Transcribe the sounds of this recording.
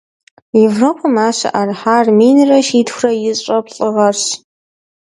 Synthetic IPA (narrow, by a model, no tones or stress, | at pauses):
jevroːpʰɐmaːɕɐ̰ʔarħaːrmiːnrɐʃiːdxʷrɐjɪɕʼɐpɬʼɨʁɐrɕ